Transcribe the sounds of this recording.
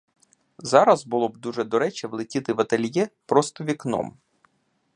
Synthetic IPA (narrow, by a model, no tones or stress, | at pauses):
zɑɾɐzbʊlˠɔb̚d̪uʒɛd̪ɔɾɛt͡ʃɛʋlˠɪtʲit̪ɪʋɐt̪ɐlʲjɛpɾɔst̪ɔʋʲiknɔ̰m